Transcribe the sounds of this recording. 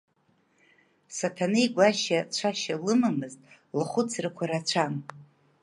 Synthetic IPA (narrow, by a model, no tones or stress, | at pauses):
satʰanɨjɡʷaʃat͡ɕʷʰaʃalɨmamɨztʼ | lχʷʊt͡sʰrɨkʷʰaɾat͡ʃʷʰam